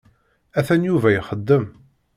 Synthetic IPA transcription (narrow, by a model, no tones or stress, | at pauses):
æθænjuvæjəχəd̪ːəm